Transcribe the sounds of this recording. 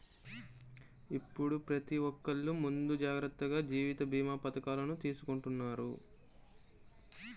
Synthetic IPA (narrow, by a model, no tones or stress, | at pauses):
ipːuɽupɾɐt̪iʋɔkːɐɭːumund̪ud͡ʒaːɡɾɐt̪ːɐɡaːd͡ʒiːʋit̪ɐbʱiːmaːpɐt̪ɐkaːlɐnut̪iːsukoɳʈunːaːɾṵ